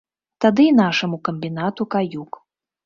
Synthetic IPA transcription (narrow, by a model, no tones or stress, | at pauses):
t̪ad̪ɨnaʂɐmukɐmʲbʲinat̪ukajuk